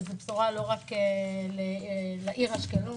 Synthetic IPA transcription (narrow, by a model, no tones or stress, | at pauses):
zept͡suʁalo̞ʁakelelaʔiʁhaʃkenu